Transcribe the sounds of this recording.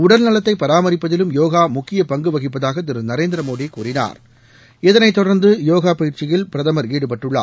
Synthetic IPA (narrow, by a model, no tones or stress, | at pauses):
ʊɽɐlnɐlɐt̪ːɐɪpːɐɾaːmɐɾɪpːɐðɪlɯmjoːɣaːmʊkːɪjɐpɐŋɡɯʋɐɣɪpːɐðaːɣɐt̪̬ɪɾɯnɐɾeːnd̪ɪɾɐmoːðikːuːɾɪna̰ːɾ | ɛðɐnɐɪt̪ːɔɽɐɾnd̪ɯjoːɣaːpɐjɪɾt͡ʃɪjɪlpɪɾɐðɐmɐɾiːɽɯpɐʈːɯɭːa̰ː